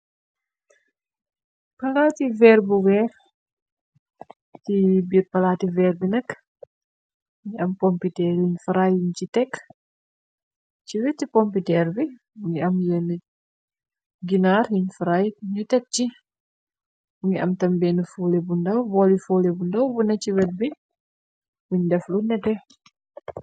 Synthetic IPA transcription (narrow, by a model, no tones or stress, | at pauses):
pɐlaːtivɛrbuwɛr | tibiɾpɐlaːtivɛɾbinɐkː | ŋiʔɐmkɔmpitɛɾjiɲfɾajiɲt͡ʃitɛkː | t͡ʃiwɛtːikɔmpitɛɾbi | buŋɡiɐmjɛnə | ɡinaːɾjuɲfaɾajɲitɛk̚t͡ʃi | buŋɡiʔɐmtɐmbɛnəfuːlebundɐwbɔlifuːlebundɐwbunɐt͡ʃiwɛt̚bi | buɲdɛflunɛtɛ